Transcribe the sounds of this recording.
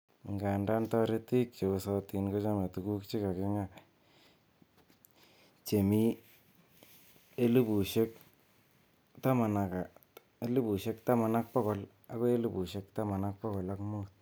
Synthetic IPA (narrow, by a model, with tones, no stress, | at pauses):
ŋɡa˨nda˦nta˦ɾe˦t̪i˦kjo˨sa˦t̪i˨nkɔ˦t͡ʃa˦me˨t̪u˨ku˦kt͡ʃi˦ka˨kɪ˦ŋa˦ | t͡ʃe˨mi˦ | e˦li˦bu˨ʃe˦k̚ | t̪a˦ma˨na˨ka˨ | e˦li˦bu˨ʃe˦kt̪a˦ma˨na˦k̚pɔ˦kɔ˨l | a˦ko˦e˦li˦bu˨ʃe˦kt̪a˦ma˨na˦k̚pɔ˦kɔ˨la˦kmu˦t̪̚